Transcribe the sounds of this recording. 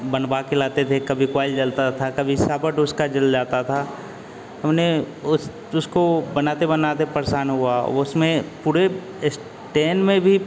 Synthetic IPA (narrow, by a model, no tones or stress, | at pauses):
bənbakelaːt̪et̪ʰekɐbʱikwaːɪld͡ʒɐlt̪at̪ʰakɐbʱisaːbəʈʊskad͡ʒɐld͡ʒaːt̪at̪ʰa | ɦɐmne | ʊs | ʊskobɐnaːt̪ebənaːt̪epəɾsaːnɦuaɔ̰ʊsmẽpuːɾe | s | ʈeːnmẽbʱi